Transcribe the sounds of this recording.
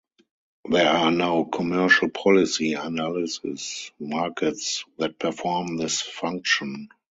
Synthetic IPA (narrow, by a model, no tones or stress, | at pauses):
ðɛanaʊkʰɔmɜ˞ʃəlpʰɔlɪsianalɪsɪ̰smaːkʰɛtsðɛt̚pʰɛ˞fɔːmðɪsfãŋk̚ʃɔ̃n